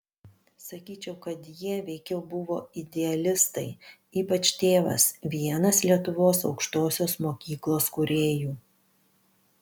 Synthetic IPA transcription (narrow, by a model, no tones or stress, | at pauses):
sɐkʲiːt͡ʃʲɛʊkɐt̪jiɛʋʲɛɪkʲɛʊbʊʋoːɪd̪ʲɛɐlʲɪst̪ɐɪ | iːpɐt͡ʃt̪ʲeːʋɐ̰sʋʲiɛnɐslʲiɛt̪ʊʋoːsɒʊkʃt̪oːsʲoːsmoːkʲiːklˠoːskʊɾʲeːjuː